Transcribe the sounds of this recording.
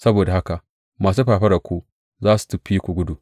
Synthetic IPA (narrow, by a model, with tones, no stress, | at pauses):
sɐ˦boː˨da˨ha˦ka˨ʔ | maː˨s̬u˦ɸaː˨ɸɐ˦ɾɐ˨kʷu˦ | zaː˦su̥˨tu˨ɸi˦kʷu˨ɡʷʊ˦du˨